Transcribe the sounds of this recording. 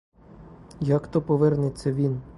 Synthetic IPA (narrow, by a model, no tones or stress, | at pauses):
jakt̪ɔpɔʋɛrnɪt͡sʲːɐʋʲin